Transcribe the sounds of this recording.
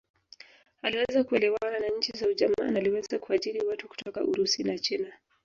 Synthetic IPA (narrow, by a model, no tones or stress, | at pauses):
aliwɛzakuɛlɛwananaɲ̩t͡ʃizauʄama̰naliwɛzakuaʄiɾiwatuku̥tɔka̰ʔuɾusinat͡ʃina